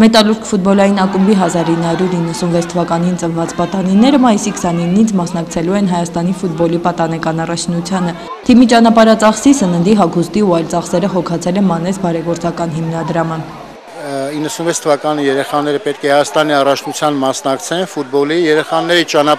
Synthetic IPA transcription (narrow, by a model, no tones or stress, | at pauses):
mɛt̪ɑluɾkʰfut̪̚bɔlɑjinɑkumbiɦɑzɑɾinːəhɑɾjuɾinːəsunvɛt͡sʰt̪ʰəvɑkɑnint͡sənvɑt͡spɑt̪ɑninɛɾəmɑjisikʰsɑninːit͡sʰmɑsnɑkt͡sʰɛluɛnɦɑjɑst̪ɑnifut̪̚bɔlipɑt̪ɑnɛkɑnɑrɑt͡ʃʰnut͡sʰjɑnə | t̪ʰimit͡ʃɑnɑpɑɾɑt͡sɑχsisənənd̪iɦɑkʰust̪iuɑjlt͡sɑχsɛɾəχɔkʰɑt͡sʰɛlɛnmɑnɛsbɑɾɛɡɔɾt͡sɑkɑnɦimnɑd̪ɾɑmə | inːəsunvɛt͡sʰt̪ʰəvɑkɑnijɛɾɛχɑnɛɾəpɛt̪̚kʰɛhɑjɑst̪ɑniɑrɑt͡ʃʰnut͡sʰjɑnmɑsnɑkt͡sʰɛnfut̪̚bɔlijɛɾɛχɑnɛɾit͡ʃɑnɑ